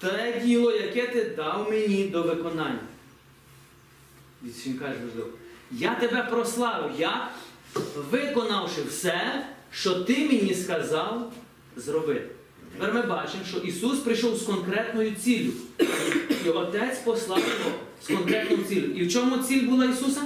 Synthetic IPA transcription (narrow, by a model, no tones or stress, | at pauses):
t̪ɛdʲilˠɔjɐkɛt̪ɪd̪ɑwmenʲid̪ɔʋɪkɔnɑnʲːɐ | isʋinʲkɑʒmʊzˠɪ̰wjat̪ebɛpɾɔslˠɑʋɪwjɐk | ʋɪkɔnɑwʃɪwsɛʃt͡ʃɔt̪ɪminʲiskɐzɑlˠ | zɾɔbɪt̪ | t̪ɛpɛɾmɪbɑt͡ʃɪmʃt͡ʃɔʔisuspɾɪjʃɔwskɔnkɾɛt̪nɔjʊt͡sʲilʲʊ | iɔt̪ɛt͡sʲpɔslˠɑwjɔɦɔ | skɔnkɾɛt̪nɔjʊt͡sʲilʲʊiwt͡ʃɔmʊt͡sʲilʲbulˠɑisusɐm